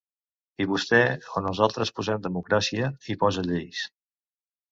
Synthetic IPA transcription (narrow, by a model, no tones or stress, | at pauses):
iβust̪ɛonuzalˠt̪ɾəspuzɛmd̪əmukɾasiəipɔzəʎejs